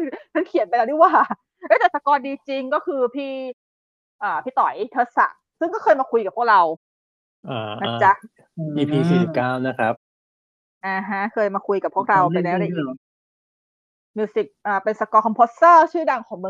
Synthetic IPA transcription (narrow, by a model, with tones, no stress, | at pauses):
kʰa˧˥˩nkʰi˨˩˦npa˧jlɛ˦˥du˥˩waː˨˩ | ʔə˦˥˩t̪ɛː˨˩sa˧kɔː˧ndiː˧t͡ɕi˧ŋkɔː˥˩kʰɯː˧pʰiː˥˩ | ʔaː˨˩pʰiː˥˩t̪ɔ˨˩˦jt̪ʰɤː˦˥t̪̚sa̰˨˩ʔ | sɯ˥˩ŋkɔː˥˩xɤː˧jmaː˧kʰu˧jka˨˩pʰu˥˩kɾa˧w | ʔaː˧˩na˦˥˩t͡ɕa˦˥˧ | ʔiː˧˩pʰiː˧siː˨˩si˨˩p̚kaː˥˩wna˦˥kʰɾa˦˥p̚ | ʔaː˧˩ɦa˦˥kʰɤː˧jmaː˧kʰu˧jka˨˩pʰːu˥˩ək̚ɾa˧wpa˧jlɛː˦˥wdaː˧˩ʔi˨˩ | miː˧si˨˩k̚ʔaː˨˩pe˧nsa˧kɔː˧kʰɔ˧mpʰo˦˥stɤː˥˩t͡ɕʰɯː˥˩da˧ŋkʰɔː˩˦ŋmɯ˧